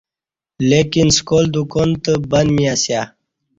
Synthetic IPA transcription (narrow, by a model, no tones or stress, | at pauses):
lekinskoːld̪ukoːnt̪əbɐnmiasjaː